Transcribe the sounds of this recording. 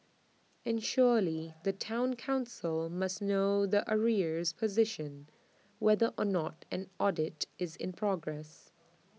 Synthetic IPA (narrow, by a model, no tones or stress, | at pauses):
ɨ̃nʃɔɹliðɨtʰãʊ̃nkʰãʊ̃nsəlˠmʌsnoʊðiʔəɹi˞z̥pʰɨzɪʃə̃n | wɛðəʔənətɨ̃nɔdɪtɪzɪ̰̃npʰɹ̥ɔɡɹɛs